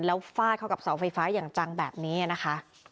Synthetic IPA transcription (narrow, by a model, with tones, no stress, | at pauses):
nlɛː˦˥wfaː˥˩t̪̚kʰa˥˩ka˨˩p̚saː˩˦wfa˧jfaː˦˥jaː˨˩ŋt͡ɕa˧ŋbɛː˨˩p̚niː˦˥a˨˩na˦˥kʰa˦˥ʔ